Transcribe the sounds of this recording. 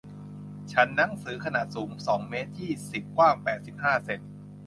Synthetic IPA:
t͡ɕʰa˦˥nːa˦˥ŋsɯː˩˦kʰa˧naː˨˩t̪̚suː˩˦msɔː˩˦ŋmeː˦˥t̪ʰːiː˥˩si˨˩p̚kwaː˥˩ŋpɛː˨˩t̪̚si˨˩p̚haː˥˩se˧˩n

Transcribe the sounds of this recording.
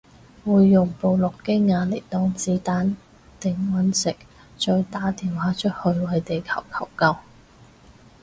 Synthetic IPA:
wuː˨˧jːʊ˨˩ŋpo˧wlʊ˨kːe˥ŋaː˧lɪ˨˩k̚t̪ɔː˨˥ŋt͡siː˨˥t̪aː˨˥n | t̪ɪ˨˧ŋwɐ˨˥nsɪ˨˩k̚ | t͡ʃɔː˧jt̪aː˨˥t̪iː˨˩nwaː˨˥t͡ʃʰɵ˥t̚hɵ˧ɥwɐ˨˧jt̪e˨jkʰɐ˨˩wkʰɐ˨˩wkɐ˥w

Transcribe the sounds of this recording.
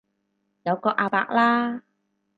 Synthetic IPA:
jɐ˨˧wkɔː˧ʔaː˧pa̰ː˧k̚laː˥

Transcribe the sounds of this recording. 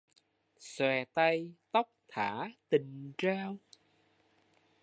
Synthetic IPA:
swɛ˨˩t̪a˧jt̪ə˦˥wk͡p̚t̪ʰaː˧˩˥t̪ï˨˩ŋ̟t͡ɕaː˧w

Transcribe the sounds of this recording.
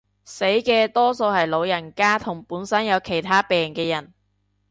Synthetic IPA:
se˨˥jkɛː˧t̪ɔː˥so˧whɐ˨jlo˨˧wjɐ˨˩nkaː˥t̪ʰʊ˨˩ŋpuː˨˥nsɐ˥njɐ˨˧wkʰe˨˩jt̪ʰaː˥pɛː˨ŋkɛː˧jɐ˨˩n

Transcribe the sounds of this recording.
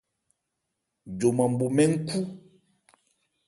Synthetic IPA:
d͡ʒo˨mã˨m̩˨bo˨mɛ̃˦ŋ̩˦ku˦

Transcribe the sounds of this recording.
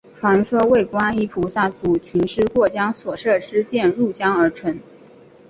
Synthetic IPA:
ʈ͡ʂʰwa˧˥nʂwɔ˥we˥˩ɪkwa˥ni˧˥pʰu˨˥sa˥˩t͡su˧˥t͡ɕʰy˧˥nʂɻ̩˥˧kwɔ˥˩t͡ɕjɑ˥ŋswɔ˨˩ʂɤ˥˩ʂɻ̩˥t͡ɕjɛ˥˧nɻu˥˩t͡ɕjɑ˥ŋə˞˧˥ʈ͡ʂʰwə˧˥n

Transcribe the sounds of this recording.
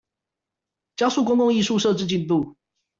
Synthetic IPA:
t͡ɕjɑ˥ʊsu˥˨kʊ˥ŋkʊ˥˧ŋi˥˧ʂu˥˧ʂɤ˥˧ʈ͡ʂɻ̩˥˧t͡ɕi˥˧nt̪u˥˨

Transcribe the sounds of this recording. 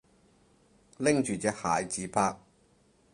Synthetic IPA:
lɪ˥ŋt͡ʃyː˨t͡sɛː˧k̚haː˨jt͡siː˨˥pʰaː˧˥k̚

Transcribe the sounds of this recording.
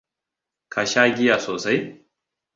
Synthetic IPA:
kʰa˨ʃaː˦ɡʲɪ˦jaː˨soː˨sa˦j

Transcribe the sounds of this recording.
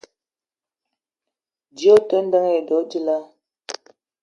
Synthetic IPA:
d͡ʒi˨˦o˦tə˦n˦də˦ŋ˦e˨dɔ˨˦d͡ʒi˦la˦

